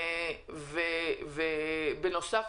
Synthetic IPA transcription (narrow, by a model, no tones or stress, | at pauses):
vevebeno̞saf